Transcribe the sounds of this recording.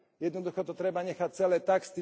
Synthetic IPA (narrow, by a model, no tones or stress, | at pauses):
jɛd̪nɔd̪uxɔt̪ɔt̪ɾɛbaɲɛxac̚t͡sɛlɛːt̪akst̪i